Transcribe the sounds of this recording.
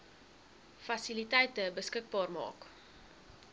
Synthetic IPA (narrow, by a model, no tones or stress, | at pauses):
fɐsilitɛjtəbəskək̚bɑːrmɑ̰ːk